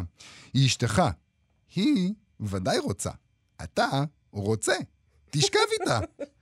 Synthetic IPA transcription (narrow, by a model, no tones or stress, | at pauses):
jiʃteχa | hi | vad̪ajʁo̞t͡sa̰ | a̰t̪a | ʁo̞t͡se̞ | t̪iʃkavit̪a